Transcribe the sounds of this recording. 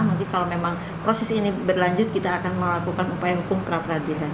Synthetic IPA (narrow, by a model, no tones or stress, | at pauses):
mukikalomemaŋ | pɾosɛsinibərlaɲd͡ʒʊt̪̚kit̪aːkanməlakukanupajaɦukʊŋpəɾapərɦadilan